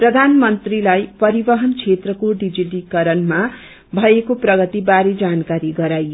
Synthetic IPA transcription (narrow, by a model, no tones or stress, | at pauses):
prʌd̪ʱanmʌnt̪rilajpʌɾibʌɦʌnt͡sʰet̪rʌkoɖid͡ziʈikʌɾʌnma | bʱʌekoprʌɡʌt̪ibaɾed͡zankaɾiɡʌɾajo